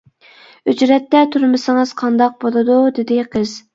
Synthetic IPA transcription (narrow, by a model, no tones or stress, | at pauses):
yd͡ʒɾɛt̪ːɛt̪ʰuɾmɨsɨŋɨz̥qʰɑnd̪ɑq̚bolˠɨd̪ud̪ɪd̪ɪqʰəz̥